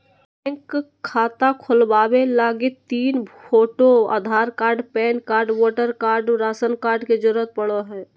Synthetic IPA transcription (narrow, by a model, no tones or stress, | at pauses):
ɛ̃ŋkːkʰːaːt̪akʰʊlbaːwelaːɡɪt̪iːnpʰoːʈoa̰d̪ʱaːɾkaːɾɖpɛːnkaːɾɖwɔːʈəɾkaːɾɖɾaːsənkaːɾɖked͡ʒəɾʊət̪̚pəɽoɦɛ̃ː